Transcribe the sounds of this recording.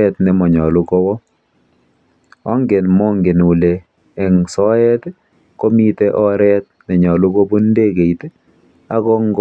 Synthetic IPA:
ɛ˦tnɛ˨mɔ˨ɲɔ˨lu˦kɔ˦wɔ˦ | ɔ˦ŋɡe˨nmɔ˦ŋɡe˨nu˨leː˨ | ŋsɔ˦ɛ˦t | ko˦mi˦te˦ʔɔ˦ɾɛ˦t̚nɛ˨ɲɔ˨lu˦ko˦bu˦nde˦ke˨it | a˦kɔ˦ŋɡ

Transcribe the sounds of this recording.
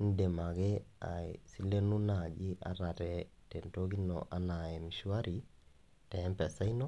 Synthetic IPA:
n̩˦de˨ma˨ɣɛ˦a̰˨si˦le˦nu˦na˨d͡ʒi˦ʔa̰˦ɾa˨ɾɛ˨ | tɛ˨nto˦ɣi˦nɔ̰˨ʔa˦na˨ɛ˨mi˨ʃwa˦ɾi˨ | tɛ˨˦mpɛ˨sa˦i˦nɔ˦

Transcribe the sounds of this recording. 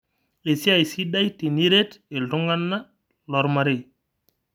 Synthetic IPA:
e˨si˦a˨jsi˦ɗa˦jti˨ni˦ɾe˦te˨ɮu˦ŋa˦nːa˦ | lɔ˨ɾma˦ɾe˦˨

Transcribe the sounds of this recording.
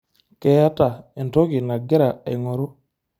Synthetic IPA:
ke˦ja˦ta˨e˨nto˦ki˨na˨ɡe˦ɾa˨ḛ˨jŋo˨ɾu˦

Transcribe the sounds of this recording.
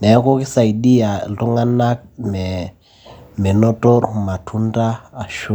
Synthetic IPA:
ne˨a˦ko˦ki˦sa˨i˨di˦ja˨lu˦ŋa˦na˦k̚mɛ˨ | me˨no˦to˦ɾma˨tʰu˦ndaː˦˨ʃu˦

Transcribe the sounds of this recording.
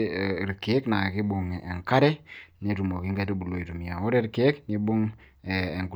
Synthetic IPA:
ɾke˦kna˨ki˦bu˨ŋe˨ŋka˦ɾɛ˦ni˦ɾu˨mo˨ki˦ŋɡa˦tu˦bu˨lo˨i˨ɾu˨mi˨a˨o˦ɾe˦ɾke˦kni˦bu˦ŋː˨ | ŋɡu˨

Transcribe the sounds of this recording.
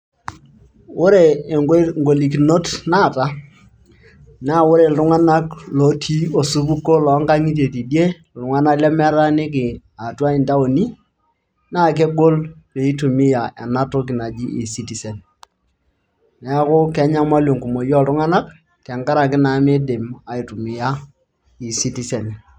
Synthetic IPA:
ʊ˦ɾe˨ŋ˦ŋɡo˨li˨ki˨no˦tnaː˦˨ta˦ | na˦˨wʊ˦ɾe˨ltʊ˦ŋa˦na˦klɔ˨˦tʰi˦o˨su˦pu˦kːo˦lɔ˨˦ŋɡa˦ŋi˦t̬e˨ti˨dje˦˨ | lʊ˨ŋa˦na˦kla˦mɛ˦ɾa˦nɪ˦k̬ɪ˨ | a˨twa˦i˨nda˦o˨ni˦ | na˦k̬e˦ɡo˦lpe˨i˦tu˨mɪ˦ja˨ʔɛ˨na˦to˦k̬ɪ˨na˨d͡ʒi˦ʔɪ˨si˦ti˨sɛ˨n | nɛ˨˦kʊ˦kɛ˦ɲa˦ma˦lo˨ŋku˨mo˨jɔ˦ltʊ˦ŋa˦na˦k | tɛ˨ŋka˦ɾa˨k̬ɪ˦na˨˦mɪ˦dɪ˨ma˨i˨tu˨mɪ˨ja˦ | ɪ˨si˦ti˨˦sɛ˨n˨

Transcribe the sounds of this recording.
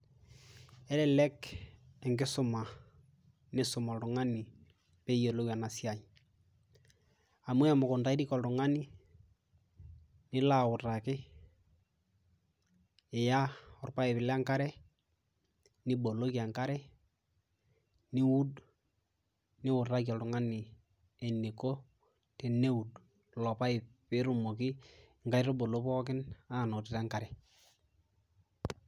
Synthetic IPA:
ɛ˦lɛ˨lɛ˦kɛ˨ŋɡɪ˦sʊ˦ma˨ | nɪ˦sʊ˨mɔ˨ltʊ˨ŋa˦nɪ˨ | pe˦jo˨lo˦wa˨na˨sja˨j | a˨mwɛ˦a˨mʊ˨kʊ˨nda˦i˦ɾi˦kɔ˨ldʊ˨ŋa˦nɪ˦ | nɪ˦la˦ʊ˨ra˨kɪ˦ | ɪ˨ja˦ɔ˨rpa˦ɛ˨βɪ˨lɛ˦a˦ŋka˦ɾɛ˦ | ni˦bo˨lo˦ki˨a˨ŋka˦ɾɛ˦ | ni˦wu˦d | nɪ˦wʊ˨tɾa˦ka˨tʊ˨ŋa˦nɪ˨ | e˨ni˨ko˦ | tɛ˨ne˦u˨d | lɔ˨pa˦ɪ˨pɪ˦ɾu˨mo˨ki˦ | ŋka˦ɾo˦bo˨lo˦pɔ˦k̬ɪ˦na˦˨no˨tɪ˨ta˦ŋka˨ɾɛ˨

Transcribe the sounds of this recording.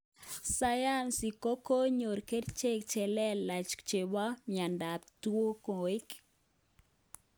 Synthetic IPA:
sa˦ja˦nsi˨ko˦ko˦ɲo˨ɾke˦ɾt͡ʃe˦kt͡ʃɛ˨lɛ˦lːa˨t͡ʃkt͡ʃe˨wa˦mja˨nda˨p̚t̪wo˦kõ˨e˦k

